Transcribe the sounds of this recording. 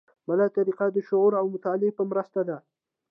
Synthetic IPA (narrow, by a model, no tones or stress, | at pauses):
malat̪aɾiqad̪əʃʊɣuɾawmʊt̪alepəmɾəst̪ad̪a